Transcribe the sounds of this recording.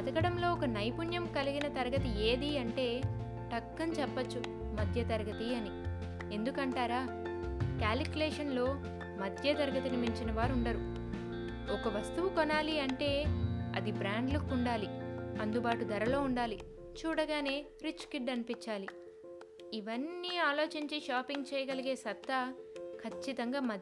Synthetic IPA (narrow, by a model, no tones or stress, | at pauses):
ɐd̪ɐkɐɽɐmlo̞ːɔkɐnɐjpunjɐmkɐliɡinɐt̪ɐɾɐɡɐt̪ie̞ːd̪iɐɳʈe̞ː | ʈɐkːɐnt͡ʃɛpːɐt͡ʃːu | mɐd̪ʱjɐt̪ɐɾɐɡɐt̪iɐni | e̞nd̪ukɐɳʈaːɾaː | kaːlikʲjuleːʂɐnlo̞ː | mɐd̪ʱjɐt̪ɐɾɐɡɐt̪inimiɲt͡ʃinɐʋaːɾuɳɖɐɾu | ɔkɐʋɐst̪uʋukɔnaːliɐɳʈe̞ːɐ̰d̪ibɾaːɳɖlɐkːuɳɖaːliɐnd̪ubaːʈud̪ɐɾɐlo̞ːuɳɖaːli | t͡ʃuːɽɐɡaːne̞ː | ɾit͡ʃːkiɖɐnipiɲt͡ʃːaːli | iʋɐnːiaːlo̞ːt͡ʃiɲt͡ʃiʃaːpiŋɡt͡ʃɛːjɐɡɐliɡe̞ːsɐt̪ːɐkʰɐt͡ʃːit̪ɐŋɡaːmɐd̪